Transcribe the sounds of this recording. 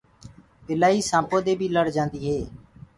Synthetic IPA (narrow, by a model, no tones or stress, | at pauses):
pɪlaːiːsãːpoːd̪eːbʱiːləɽd͡ʒãːnd̪iːɦeː